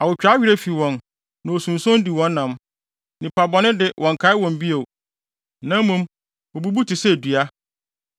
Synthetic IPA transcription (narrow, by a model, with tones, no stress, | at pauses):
a˨wʊ˨t͡ɕᶣa˦ɥᶣi˦ɾe˦fi˨wɔ̃˨n | nã˨o˨sũ˨n˨sɔ̃˦n˦di˨wɔ̃˦nː˦ã˨m | nɪ̃˨pʰa˨bɔ˨nɪ̃˦dɪ˨wʔɔ̃˨ŋkʰa˨˦ɪ˦wɔ̃˨m˦bi˦o˨ | nã˦m˦mũ˦m | o˨bu˦bu˦tʰɪ˨sɛ˦˨du˨a˦